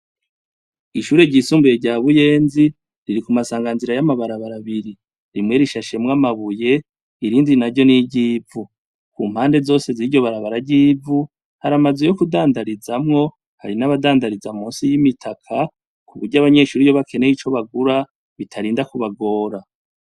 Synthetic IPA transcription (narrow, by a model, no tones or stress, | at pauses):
iʃuːɾe̞ɟiːsuːmbujeɟaːβuje̞ːnzi | ɾiɾikumasaːŋɡanziɾajamaβaɾaβaɾaβiɾi | ɾimŋe̞ɾiʃaʃe̞mŋamaβuje̞ | iɾiːndinaɾɟo̞niɟiːvu | kuːm̥haːnde̞zo̞ːse̞ziɾɟo̞βaɾaβaɾaɟiːvu | haɾamazwejo̞kudaːndaɾizamŋo̞ | ha̰ɾinaβadaːndaɾizamuːnsijimitʰakʰa | kuβuɾɟaβaɲe̞ːʃuːɾijo̞βake̞ne̞jit͡ʃo̞βaɡuɾa | βitʰaɾiːndakuβaɡo̞ːɾa